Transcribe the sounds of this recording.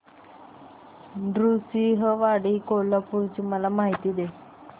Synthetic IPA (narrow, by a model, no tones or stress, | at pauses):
ɖɾusiɦəʋaɽiːkoləpuɾt͡ɕiməlamaɦit̪iːd̪e